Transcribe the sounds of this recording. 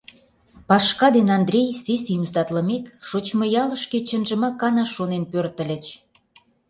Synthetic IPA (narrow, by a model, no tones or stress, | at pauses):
pɑʃkɑd̪enɑnd̪rʲejsesimst̪ɑt̪lə̆mekʃot͡ɕmə̆jɑlə̆ʃket͡ɕə̆nʒə̆mɑkːɑnɑʃonenpørt̪ə̆lʲə̆t͡ɕ